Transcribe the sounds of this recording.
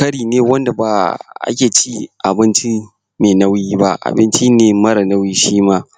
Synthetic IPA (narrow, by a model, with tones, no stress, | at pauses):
kɐ˦ɽiː˨neː˦wɐ˦nda˨baː˨ʔa̰˦kʲeː˨t͡ʃi˦ʔa˨bɪ˦nt͡ʃi˦ | neː˨nɐ˦wiː˦ba˦ʔa̰˨bɪ˦nt͡ʃi˦neː˨mɐ˦ɾa˨nɐ˦wiː˦ʃiː˦maː˦